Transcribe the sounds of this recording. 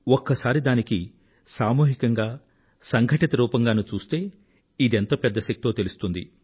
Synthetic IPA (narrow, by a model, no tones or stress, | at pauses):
ɔkːɐsaːɾid̪aːniki | saːmuːɦikɐŋɡaː | sɐŋɡʱɐʈit̪ɐɾuːpɐŋɡaːnut͡ʃuːst̪e̞ː | id̪ent̪o̞ːpɛd̪ːɐʃɐkt̪ioːt̪elust̪und̪ḭ